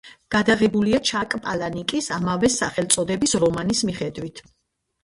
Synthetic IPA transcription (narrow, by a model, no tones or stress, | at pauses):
ɡ̥ad̪aʁɛbuliat͡ʃʰakʼpʼalanikʼisamavɛsaχɛlt̪sʼɔd̪ɛbisɾɔmanismiχɛd̪wit̪ʰ